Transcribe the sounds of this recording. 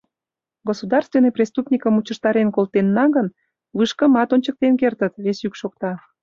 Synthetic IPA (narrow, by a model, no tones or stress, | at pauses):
ɡosud̪ɑrst̪venːejprʲest̪upnʲikəmut͡ɕə̆ʃt̪ɑɾenkolt̪enːɑɣən | βɨʃkə̆mɑt̪onʲt͡ɕək̚t̪enkert̪ət̪βesykʃok̚t̪ɑ